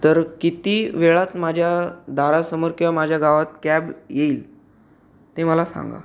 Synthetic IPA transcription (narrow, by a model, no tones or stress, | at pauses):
t̪əɾkit̪iʋeɭat̪mad͡ʑʱjad̪ʱaɾasəməɾkiamad͡ʑʱjaɡaʋat̪̚kæbjeiːl | t̪eməlasã̰ŋɡa̰